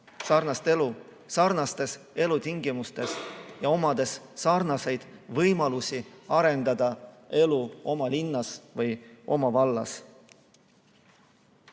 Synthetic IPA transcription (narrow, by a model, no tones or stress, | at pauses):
sɑrnɑst̪e̞lu | sɑrnɑst̪e̞se̞lut̪iŋɡimust̪e̞sjɑo̞mɑd̪̥e̞sːɑrnɑse̞jd̪̥vɤjmɑlusiɑɾe̞nd̪̥ɑd̪̥ɑe̞luo̞mɑlinːɑsvɯjʔo̞̰mɑvɑlːɑ̰s